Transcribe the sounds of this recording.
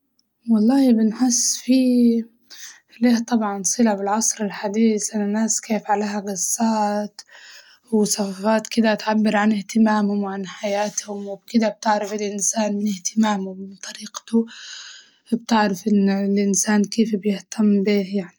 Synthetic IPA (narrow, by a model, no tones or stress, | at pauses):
wɑlˤːɑːhbɪnħɪsːfiː | leːt̪ˤɑbʕɑnsˤɨlabɪlʕɑsˤɾɪlħad̪iːsʔanːanaːskeːfʕaleːɦaɡɑsːaːt̪ | wɪsɑfafaːt̪kɪd̪aʔt̪ʕabːɪɾʕanɪht̪ɪmaːmhʊmwʕanħajaːt̪hʊmwɪbkɪd̪ab̚t̪ɪʕɾafɪlʔɪnsaːnmɪnɪht̪ɪmaːmʊmɪnt̪ˤɑɾiːqt̪ʊ | bt̪ɪʕɾafʔɪnːlʔɪnsaːnkeːfbjɪht̪ʰamːbiːhjaʕni